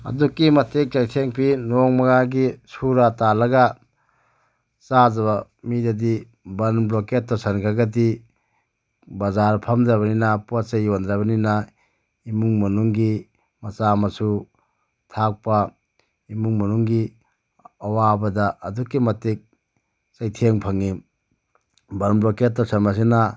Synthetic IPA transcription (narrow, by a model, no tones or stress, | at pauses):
ɐ̰dukːimɐtek̚t͡ʃajsʰeŋpʰinoŋmɐɡaɡisuɾatalɐɡɐ | t͡ʃazɐβɐ | midɐdi | bɐnbloket̚ːɔsɐnɡʰaɡɐt̬i | bɐzaɾpʰɐmdɾɐβɐninɐpuasejondɾɐβɐnina | imuŋmɐnuŋɡi | mɐt͡ʃamɐsu | tʰak̚pa | imuŋmɐnuŋɡi | ɐwabɐdaʔɐdukːimɐtik̚ | t͡ʃajtʰeŋpʰɐŋi | bɐnbloket̚tːɔsɐnmɐs̬inɐ